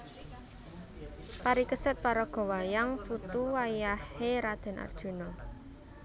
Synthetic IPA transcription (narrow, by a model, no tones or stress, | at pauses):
paɾikəsət̪̚paɾɔɡ̥ɔ̤wajaŋput̪uwajaheɾad̪̥ɛ̤na̰rd̥ʒ̥ṳnɔ